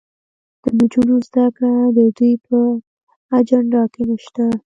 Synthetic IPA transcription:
d̪̥əmud͡ʒunozd̪akɽad̪əd̪ujpə | ad͡ʒaɳɖɑkenaʃt̪a

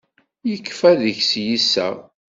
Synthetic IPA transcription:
jəkːfæðəçsjisæ̰

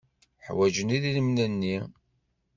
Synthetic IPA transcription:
ħwæd͡ʒəniðiləmnænːi

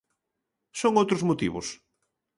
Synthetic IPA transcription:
soŋowt̪ɾʊzmot̪ḭβʊ̰s

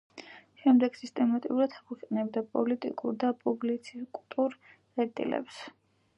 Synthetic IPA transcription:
ʃɛmd̪ɛɡ̥sist̪ʼɛmat̪ʼḭuɾad̪ʰaχʰiχʼɛnɛbd̪apʼɔlit̪ʼḭkʼuɾd̪apʼublit̪sʰikʼt̪ʼuɾ | ɛɾt̪ʼḭlɛ̰ps

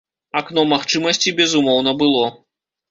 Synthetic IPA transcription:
aknɔmaxt͡ʂɨmɐsʲt͡sʲibʲɛzumɔwn̪ɐbɨlˠɔ

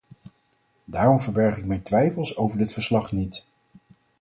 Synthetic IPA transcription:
daːrɔmvəɹbɛɹχɪk̚mɛjntʋɛjfəlˠsowvəɹdɪtfəɹslɑχnit

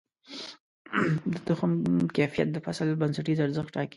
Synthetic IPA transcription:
d̪ət̪ʊxamkafija̰t̪̚d̪əfasəlbansaʈizaɾzəxɑki

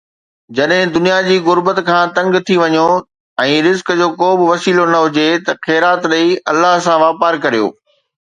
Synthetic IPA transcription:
d͡ʑɐɗɦɪ̃d̪ʊnijad͡ʑiːɣʊɾbət̪kʰãːt̪ɐ̃ŋɡt̪ʰiʋɐɲo | ɛ̃ːɾɪzkd͡ʑoːkoːbɪʋɐsiːlonɐɦʊd͡ʑet̪ɐxɛːɾaːt̪ɾɐiɐlːaɦsãʋaːpaːɾkɐɾijo̰ː

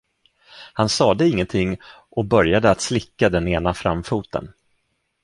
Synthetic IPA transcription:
hansɑːd̪ɛɪŋːənt̪ʰɪŋː | ʔɔbœɾjad̪əat̪slɪkːad̪ɛneːnafɾa̰mfuːt̪ʰə̰n

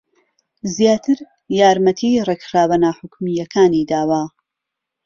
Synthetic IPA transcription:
zjaːt̪ʰɨɾ | jaːɾmɐt̪ʰirekxɾaːwɐnaːħʊkmijɐkʰaːniːd̪aːwa

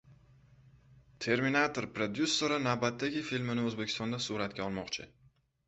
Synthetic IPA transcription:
t̪ʰe̞ɾminat̪ʰoɾpɾod̪jusːoɾanavbat̪ːaɡʲɪfilmɪnɪɵzbekʲʰɪst̪ɒnd̪asuɾat̪̚kʲaɒlˠmɒqt͡ʃʰɪ

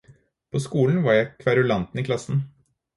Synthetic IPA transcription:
pʰoːskuːln̩ʋɑɾjæɪkʰʋæɾʉlɑnt̪n̩iːkʰlɑsn̩

